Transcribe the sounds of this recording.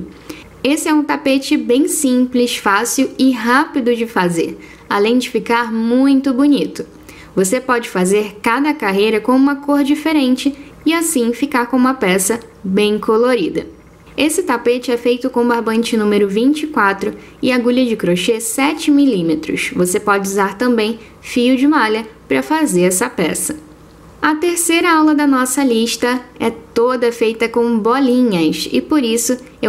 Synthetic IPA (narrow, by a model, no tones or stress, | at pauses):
esɪɛũt̪apet͡ʃɪbẽj̃sĩplɪʃfasiwɪɦapid̪ʊd͡ʒɪfazḛɾ | alẽj̃d͡ʒɪfikaɾmũj̃t̪ʊbunit̪ʊ | vosepɔd͡ʒɪfazeɾkad̪ɐkaɦejɾɐkõũmɐkoɾd͡ʒifeɾẽnt͡ʃɪ | ɪasĩfikaɾkõũmɐpɛsɐbẽj̃kʰoloɾid̪ɐ | esɪt̪apet͡ʃɪɛfejt̪ʊkõbaɾbɐ̃nt͡ʃɪnũmeɾʊvĩnt͡ʃɪkwat̪ɾʊ | ɪaɡuʎɐd͡ʒɪkɾoʃesɛt͡ʃɪmilĩmet̪ɾʊ̰ʃvosepɔd͡ʒɪuzaɾt̪ɐ̃mbẽj̃ | fijʊd͡ʒɪmalʲɐpɾɐfazeɾɛsɐpɛsɐ̥ | ɐt̪eɾsejɾɐawlɐd̪ɐnɔsɐliʃt̪ɐɛt̪od̪ɐfejt̪ɐkõw̃bolĩɲɐʃɪ̰poɾisʊ | e